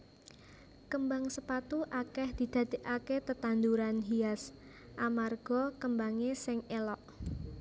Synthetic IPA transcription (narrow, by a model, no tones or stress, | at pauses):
kəmbaŋsəpat̪uʔakɛhd̪̥i̤d̪̥ä̤d̪̥e̤ʔaket̪ət̪and̪uɾanɦias | ʔamarɡ̥ɔ̤kəmbaŋesɪŋelɔʔ